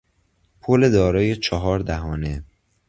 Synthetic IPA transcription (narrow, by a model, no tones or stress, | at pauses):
pʰoled̪ɒːɾɒːjet͡ʃʰɒɦɒːɾd̪æɦɒːne̞